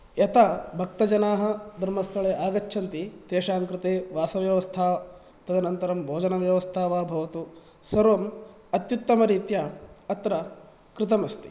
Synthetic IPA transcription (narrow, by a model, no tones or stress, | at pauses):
jɐt̪abʱɐk̚t̪ɐd͡ʒɐnaːɦɐ̆d̪ʱɐɾmɐst̪ʰɐɭeːʔaːɡɐt͡ʃːʃʰɐnt̪it̪eːʃaːŋkɾɪt̪eːʋaːsɐʋjɐʋɐst̪ʰaː | t̪ɐd̪ɐnɐnt̪ɐɾɐmbʱoːd͡ʒɐnɐʋjɐʋɐst̪ʰaːʋaːbʱɐʋɐt̪u | sɐɾʋɐm | ɐt̪jut̪ːɐmɐɾiːt̪jaɐt̪ɾɐ | kɾɪt̪ɐmɐst̪i̥